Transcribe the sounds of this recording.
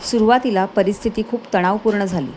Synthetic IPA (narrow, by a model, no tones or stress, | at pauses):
suɾuʋat̪ilapəɾist̪ʰit̪iːkʰuːpt̪əɽ̃aʋpuɾɳəd͡zʱalḭː